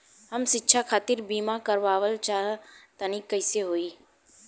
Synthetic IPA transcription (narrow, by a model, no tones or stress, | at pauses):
ɦəmʃɪtːʃʰakʰaːt̪ɪɾbiːmakəɾʋaːʋəlt͡ʃaːɦt̪ənikːəɪseɦoːiː